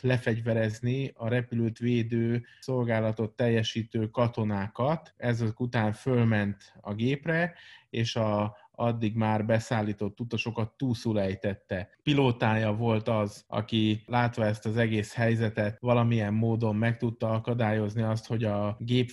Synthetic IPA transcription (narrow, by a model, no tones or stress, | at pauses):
lɛfɛɟvɛɾɛzniɒɾɛpyløːt̪ʋeːd̪øːso̞lɡaːlɒt̪o̞t̪ːɛjːɛʃiːt̪øːkɒt̪o̞naːkɒt̪ɛzøkut̪aːɱfø̞lmɛnt̪ɒ̰ɡeːprɛeːʃɒ | ɒd̪ːiɡmaːrbɛsaːlːiːt̪o̞t̪ːut̪ːɒʃo̞kɒt̪ːuːlsulɛjt̪ɛt̪ːɛpiloːt̪aːjɒvo̞lt̪ɒzɒ̰kilaːt̪ʋɒɛst̪ɒzɛɡeːshɛjzɛt̪ɛt̪ʋɒlɒmijɛmːoːd̪o̞mːɛk̚t̪ut̪ːɒɒkɒd̪aːjo̞zniɒst̪ho̞ɟɒɡeːp